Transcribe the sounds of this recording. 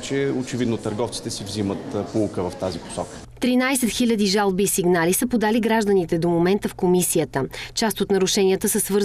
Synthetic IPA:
t͡ʃɛot͡ʃɛvid̪not̪əɾɡɔft̪si̥t̪ɛsivzimət̪pulˠkəvɐft̪azipo̥sɔkə̥ | t̪ɾinajsɛt̪xilʲəd̪iʒalˠbiːsiɡnalisəpod̪aliɡɾaʒd̪ənit̪ɛd̪omomɛnt̪əfkomisiət̪ət͡ʃast̪ot̪nɐɾʊʃɛniət̪əsəsvɤɾ

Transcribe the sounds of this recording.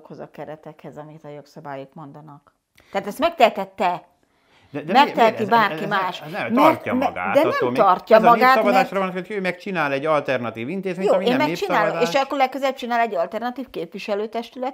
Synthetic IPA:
kho̞zɒ̰kɛɾɛt̪ɛkhɛzɒmikɛt̪ɒjo̞ksɒbaːjokmo̞nd̪ɒnɒk̪ | aːt̪ɛst̪mɛk̚t̪ɛt̪ɛt̪ːɛ | d̪ɛmɛkt̪ɛt̪ibaːrkimaːʃɛmɛmɡa̰ːtd̪ɛnɛmɒrcːɒmɒɡaːt̪mɛaːʃɾɔɒnoocʰøːmɛkt͡ʃinaːlɛɟːɒlt̪ɛrnɒt̪iːvint̪eːzmejoːeːmɛkt͡ʃinaːlloeːʃɒkkːoɾlɛkːøzɛl̚t͡ʃinaːlɛɟːɒlt̪ɛrnɒt̪iːfkeːpviʃɛløːt̪ɛʃt̪ylɛt̪

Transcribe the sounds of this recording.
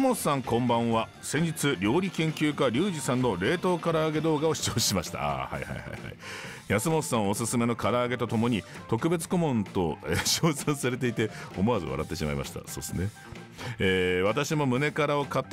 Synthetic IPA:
mossãŋkõ̞mbãɰ̃βa | sẽ̞ɲ̟d͡ʑit͡sɨɾʲo̞ːɾʲikẽ̞ŋkʲɨːkaɾʲɨːʑisãnːo̞ɾe̞ːt̪o̞ːkaɾaːɡe̞d̪o̞ːɡao̞ɕi̥t͡ɕo̞ːɕimaɕi̥t̪a̰ha̰iha̰iha̰iha̰i | jasɨmo̞sːãɰ̃o̞sɨsɨme̞no̞kaɾaːɡe̞t̪o̞t̪o̞mo̞ɲ̟it̪o̞kɯ̟be̞t͡sɨ̥ko̞mõ̞nt̪o̞eɕoːsãɰ̃saɾe̞t̪̬e̞it̪e̞o̞mo̞azɨ̰βa̰ɾa̰t̪ːe̞ɕima̰ḭma̰ɕi̥t̪a̰so̞ːd̪esɨne̞ | eːβat̪aɕimo̞mɯ̟ne̞kaɾao̞kat̪ː

